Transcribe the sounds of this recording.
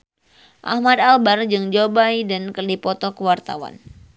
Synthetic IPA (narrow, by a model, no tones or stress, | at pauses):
ʔa̰hmadalbard͡ʒɨŋd͡ʒobajdankərdipɔt̪ɔkəwart̪a̰wa̰n